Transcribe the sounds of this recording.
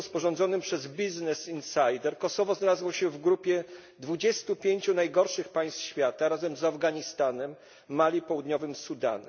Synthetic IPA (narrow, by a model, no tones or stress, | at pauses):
spɔʐɔnzɔnɘmpʂɛzbʲiznɛsinsajd̪ɛɾkɔsɔvɔznalazwɔɕɛvɡɾupʲjɛ | d̪vud͡ʑɛst̪upʲjeɲt͡ɕunajɡɔɾʂɘxpaj̃st̪fɕfʲjat̪aɾazɛmzavɡaɲist̪anɛmː | alʲjipɔwud̪ɲɔvɘmsud̪a̰nɛ